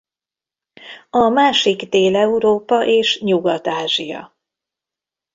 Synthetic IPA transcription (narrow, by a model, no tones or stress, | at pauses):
ɒmaːʃiɡd̪eːlɛuɾoːpɒʔeːʃɲuɡɒt̪aːʒijɒ̰